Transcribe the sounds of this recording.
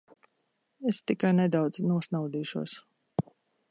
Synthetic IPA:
est̪ikajnɛd̪awd̪z̥nuɔsnawd̪iːʃuɔs

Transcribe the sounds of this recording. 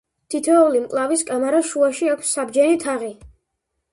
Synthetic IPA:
t̪ʰit̪ʰɛɔlimkʼlˠaviskʼamaɾaʃuaʃiakʷʰsːabd͡ʒɛnit̪ʰaʁi

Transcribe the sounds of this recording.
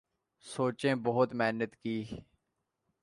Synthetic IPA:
soːt͡ʃẽːbəɦʊt̪mɛːnət̪kiː

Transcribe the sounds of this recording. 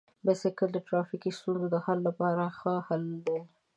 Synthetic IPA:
bɪsɪkəld̪əʈɾɑfikist̪unzod̪əhalːapɑɾaxəhald̪e

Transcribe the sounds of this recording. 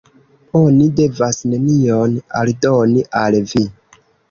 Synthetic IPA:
o̞nide̞vasne̞niona̰ldo̞niʔalvi

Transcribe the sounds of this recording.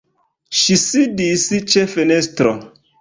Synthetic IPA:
ʃisidisit͡ʃefenestɾo

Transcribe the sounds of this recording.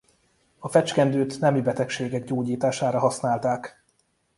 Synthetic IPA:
ɒfɛt͡ʃkɛnd̪øːt̪nɛmibɛt̪ɛkʃeːɡɛɡɟoːɟiːt̪aːʃaːɾɒɦɒsnaːlt̪aːk

